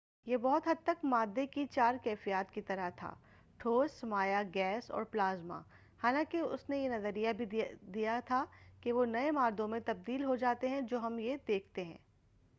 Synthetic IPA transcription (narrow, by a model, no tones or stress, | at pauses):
jebɔːɦʊt̪ɦɐd̪̚t̪ːɐkmaːd̪ːekit͡ʃaːɾkɛːfijaːt̪kit̪ɐɾəɦt̪ʰa̰ː | ʈʰoːsmaːjaɡɛːsɔ̰ːɾplaːzma̰ | haːlãːkeʊ̰snejenɐzəɾijabʱid̪ijat̪ʰakeʋonɐemaːɾd̪õmẽt̪ɐb̚d̪iːlɦod͡ʒaːt̪eɦɛ̃d͡ʒoːɦɐmjed̪eːkʰt̪eɦɛ̰̃ː